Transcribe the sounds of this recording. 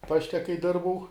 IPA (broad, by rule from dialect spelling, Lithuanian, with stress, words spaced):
ˈpɑːʃʲtʲɛ kɐɪ ˈdʲɪrbɐʊ